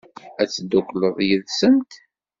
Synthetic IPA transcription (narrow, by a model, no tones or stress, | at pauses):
æt͡sːd̪ukləðˤjəðsəmt̪